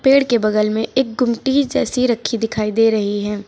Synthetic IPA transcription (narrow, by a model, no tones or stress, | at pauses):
peːɽkebɐdəlmẽʔeːk̚ɡʊmʈid͡ʒɛːsiɾɐkʰːid̪ɪkʰaːid̪eːɾɐɦiɦɛː